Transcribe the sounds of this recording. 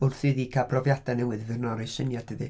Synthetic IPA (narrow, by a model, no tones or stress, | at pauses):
ʊrθɨðikʰabʰrɔvjadanɛwɨðvɨrnɔɾɪʃənjadʰəðɨ